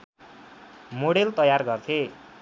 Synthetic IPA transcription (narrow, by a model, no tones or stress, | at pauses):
moɽelt̪ʌjarɡʌrt̪ʰe